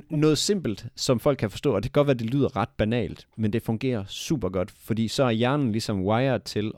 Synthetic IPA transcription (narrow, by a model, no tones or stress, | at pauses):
nɔ̽ːð̩ˠse̝m̰b̥l̩d̥sɒ̽mfɒ̽l̰ɡ̚kʰæfɒ̽sd̥ɔ̰̽ːɒd̥eæɡɒ̽d̥ʋæɐd̥e̝ly̰ːð̰ˠɐʁɑ̈d̥̚b̥ænɛ̰ːld̥mend̥e̝fɔ̽ŋɡ̥e̝̰ːɐsṵːb̥ɐɡ̥ɒ̽d̥fɒd̥ḭːsɒ̽æɐjæɐnn̩lisɒ̽mwɑ̈ɪɐt͡sʰe̝l